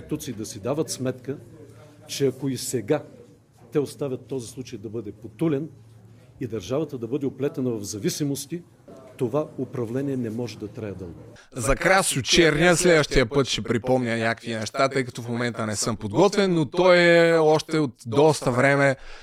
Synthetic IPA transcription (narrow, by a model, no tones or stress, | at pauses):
it̪ut̪siːd̪ɐsid̪avət̪smɛt̪kə | t͡ʃɛɐkoisɛɡa | t̪ɛost̪avʲjət̪ːɔzislˠut͡ʃəjd̪ɐbɤd̪ɛpot̪ulʲɛn | id̪ɐɾʒavɐt̪əd̪ɐbɤd̪ɛoplɛt̪ɐnəvɐvzɐvisimost̪i | t̪ovaopɾɐvlɛnʲiɛnɛmɔʒɛd̪ɐt̪ɾajəd̪ɤlˠɡ | zɐkɾasʊt͡ʃɛɾnʲiəslɛd̪vəʃt̪iəpɤt̪ʃɛpɾipɔmɲʲənʲakvinɛʃt̪at̪ɤjkɐt̪ɔfmomɛnt̪ənɛsɤmpod̪ɡɔt̪vɛnːot̪ɔjɛɔʃt̪ɛot̪d̪ɔst̪əvɾɛmɛ